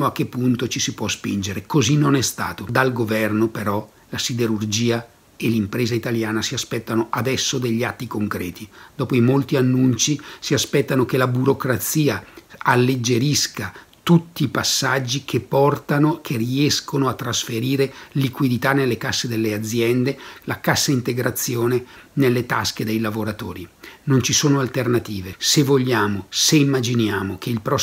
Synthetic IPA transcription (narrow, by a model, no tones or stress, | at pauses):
oak̟ːepːunt̪ot͡ʃisipwɔspḭnd͡ʒeɾekozinːonɛst̪a̰ːt̪od̪alɡovɛrnopeɾɔ | lasid̪eɾurd͡ʒiːa | elimpɾeːzait̪aljaːnasiaspɛt̪ːanoʔad̪ɛsːod̪eʎːiat̪ːikoŋkɾɛ̰ːt̪id̪̥ɔːpoimolt̪ianːunt͡ʃisiaspɛt̪ːanok̟elabuɾokɾat̪siːaalːed͡ʒːeɾiska | t̪ut̪ːiːpasːad͡ʒːikʰepːɔrt̪anokʰeriɛskonoat̪ːɾasfeɾiːɾelikwid̪it̪anːelːekasːed̪elːead̪zːjɛnd̪elakasːaint̪eɡɾat̪sːjoːnenelːet̪asked̪ejlavoɾat̪o̰ːɾinont͡ʃisoːnoalt̪ernat̪iːvesevoʎːaːmoseimːad͡ʒinjaːmok̟ʰeilpɾɔ